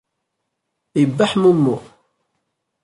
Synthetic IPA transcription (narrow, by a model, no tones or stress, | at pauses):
jəbːaħmumːʊ